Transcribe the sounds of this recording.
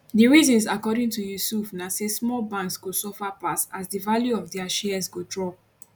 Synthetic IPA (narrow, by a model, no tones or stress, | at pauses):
diɹizɔ̃nsakɔɾĩŋtujusufnasesmɔlbãnksɡosɔfapasasdivaljuɔvdiaʃɛzɡodɹɔ